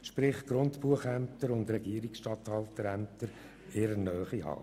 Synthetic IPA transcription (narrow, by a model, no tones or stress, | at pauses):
ʃpɾɪχtɡ̥ɾʊntpuəχæmtəɾʊndɾɛɡiːəɾiksʃtɑthɑltəɾæmtəɾ | eːɾənœːχihɑ̰ː